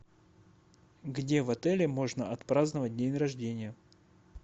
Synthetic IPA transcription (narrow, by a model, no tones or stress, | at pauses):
ɡdʲe̞vɐt̪ɛlʲɪmo̞ʐnəʔɐt̪pɾaznəvət̚ʲdʲenʲrɐʐdʲenʲɪjə